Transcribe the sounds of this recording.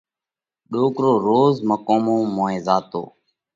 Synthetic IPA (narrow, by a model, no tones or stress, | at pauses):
ɗoːkɾoːɾoːzməkoːmõːmoːẽːzaːt̪o̰ː